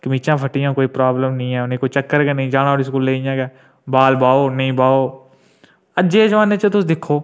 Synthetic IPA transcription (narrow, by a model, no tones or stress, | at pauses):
kəmiːt͡ʃãːpʰəʈɪjãːkoːiːpɾaːbləmnəɦĩːɦɛːʊnẽːkoːit͡ʃəkːəɾkenə̃ĩːd͡ʒaːnaːɽis̬kulːeːɪjãːɡɛː | baːlbaːoːnəɦĩːbaːoː | əd͡ʒeːd͡ʒʋaːneːt͡ʃət̪ʊsd̪ɪkʰoː